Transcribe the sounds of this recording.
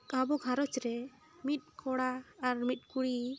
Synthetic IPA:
abɔɡʱaɾɔt͡ʃɾɛ | mit̪̚ˀkʰɔɽaːɾmit̪̚ˀkuɽi

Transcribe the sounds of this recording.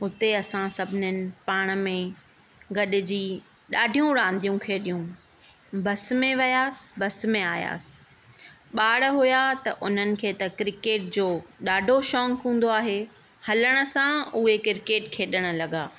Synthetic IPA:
ɦʊt̪eɐsãsɐbʱɪnənɪ̆paːɽ̃ə̆mẽ | ɡɐɗɪ̆d͡ʑiː | ɗaːɖʱijũɽãːnd̪ʱijũkʰeːɗijũ | bɐsmẽʋɐjaːsɪ̥bɐsmẽaːja̰ːsɪ̥ | ɓaːɽɦʊjat̪ɐʔʊn̤ənɪ̆kʰeːt̪ɐkɾɪkeːʈ̚d͡ʑoːɗaːɖʱoʃɔːŋkũːn̆d̪oaːɦe | hɐləɽ̃ə̆sãʊɦekɪɾkeːʈkʰeːɗəɽ̃ə̆lɐɠaː

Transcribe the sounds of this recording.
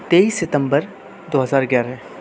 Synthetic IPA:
t̪eːiːsːɪt̪ə̃mbəɾ | d̪oːɦɐzaːɾɪɡjaːɾɛ̃

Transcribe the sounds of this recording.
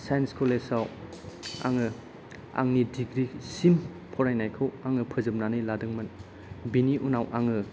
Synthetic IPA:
sajnskʰolesaw | a̰ŋɯ | a̰ŋnidiɡɾisim | pʰɔɾajnajkʰɯwaŋɯpʰɯzɯp̚nanɯjladɯŋmɐn | biniʔunawʔaŋɯ

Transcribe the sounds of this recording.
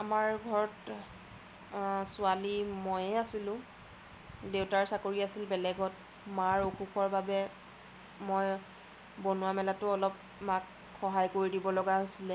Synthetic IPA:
amaɹɡʱɔɹɔt | sʊalimojɛasilʊ̃ | dewtaɹsakoɹiasilbɛlɛɡɔt | maɹokuxʰɔɹbabɛ | moj | bonʊwamɛlatʊɔlɔp̚ | mak | xɔɦajkoɹidibɔlɔɡaɦojsilɛ

